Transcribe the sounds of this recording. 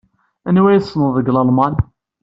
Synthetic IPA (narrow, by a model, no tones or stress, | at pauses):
ænwæjsˤːnəððˤəɡlɑlmɑn